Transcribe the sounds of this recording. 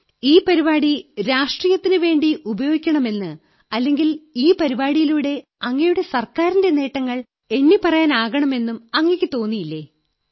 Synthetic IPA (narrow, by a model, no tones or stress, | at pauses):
iːpɐɾibaːɽiɾaːʂʈrijɐt̪ːinɨʋe̞ːɳɖiʔubɐjo̞ːɡikʲːɐɳɐme̞nːɨ | ɐlːe̞ŋɡiliːpɐɾibaːɽijiluːɽe̞ɐŋːɐjuɽe̞sɐrkaːɾinde̞ne̞ːʈːɐŋːɐɭ | e̞nːipɐrɐjaːnaːɣɐɳɐme̞nːumɐŋːekʲːɨt̪o̞ːnːijilːe